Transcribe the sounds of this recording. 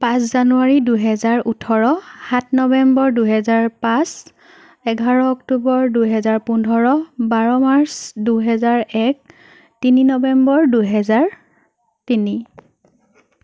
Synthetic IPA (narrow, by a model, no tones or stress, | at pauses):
pãszanuaɹiduɦɛzaɹutʰɔɹɔhat̚ʰnɔbɛmbɔɹduɦɛzaɹpãs | ɛɡʱaɹɔɔktubɔɹduɦɛzaɹpundʱɔɹɔbaɹɔmaɹsduɦɛzaɹɛk̚ | tininɔbɛmbɔɹduɦɛzaɹ | tini